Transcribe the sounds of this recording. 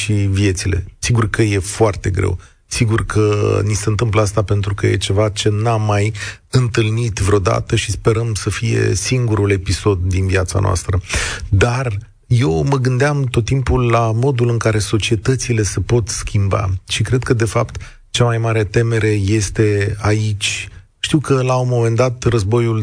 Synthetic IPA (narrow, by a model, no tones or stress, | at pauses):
ʃivie̞t̪sile̞̰siɡurkəje̞foart̪e̞ɡɾḛw | siɡurkʰəniseɨnt̪ɨmpləast̪ape̞nt̪ɾukəje̞̰t͡ʃe̞vat͡ʃe̞namːaj | ɨnt̪ɨlnit̪vɾeo̞d̪a̰t̪əʃispe̞ɾəmsəfije̞̰siŋɡuɾule̞piso̞d̪̚ːinviat̪sa̰noa̰st̪ɾəd̪ar | je̞wməɡɨnd̪eamt̪ot̪ːimpulːamo̞d̪ulɨŋkaɾe̞so̞t͡ʃie̞t̪ət̪sile̞se̞po̞t̪skʲimba̰ʃikɾe̞d̪̚kəd̪e̞fapt̪ | t͡ʃamajmaɾe̞t̪e̞me̞ɾe̞je̞st̪e̞ait͡ʃʲ | ʃt̪iwkəlawmo̞me̞nd̪at̪rəzbo̞jul